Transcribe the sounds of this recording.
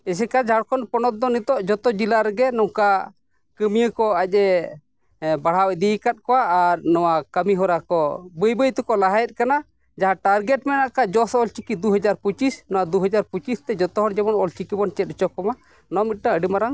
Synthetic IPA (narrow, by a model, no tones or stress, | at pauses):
ɛsɛkad͡ʒʱaɽkʰɔnpɔnɔt̪̚d̪ɔnit̪ɔʔd͡ʒɔt̪ɔd͡ʒilaɾɛɡɛnɔka | kəmijəkɔacɛ | baɽ̤awɛd̪ikat̪̚kɔwaʔːɾnɔwakəmiɦɔɾakɔbəjbəjt̪ɔkɔlaɦajɛt̪̚ˀkana | d͡ʒaɦaʈaɾɡɛʈmɛnaʔkad͡ʒɔsɔɔlt͡ʃikid̪uɦəd͡ʒaɾput͡ʃisnɔwad̪uɦəd͡ʒaɾput͡ʃist̪ɛd͡ʒɔt̪ɔɦɔɽd͡ʒɛmɔnɔlt͡ʃikibɔnt͡ʃɛt̪̚t͡ʃɔkɔma | nɔmit̪̚ʈaəɖimaɾaŋ